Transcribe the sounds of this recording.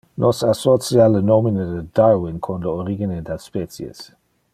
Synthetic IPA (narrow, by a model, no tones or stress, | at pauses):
nʔɔsasɔt͡sijalənominədədaɹwɪnkʰɔnləoɾiɡinedaspɛt͡sjḛs